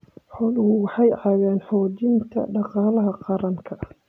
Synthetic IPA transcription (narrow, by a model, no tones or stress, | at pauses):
ħɔːlʊhʊwɑħɑjʕɑɣaːnħɔːt͡ʃɪnt̪ʰɐ̰ɖɑqɑːlɐɦɐqɑɾɐŋkʰɐ